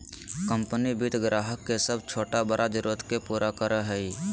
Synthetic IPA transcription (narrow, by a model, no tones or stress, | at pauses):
kə̃mpənibit̪ɡɾaːɦəkːesəbt͡ʃʰoːʈabəɾʔad͡ʒəɾoːt̪kepuːɾakəɾəɦɛi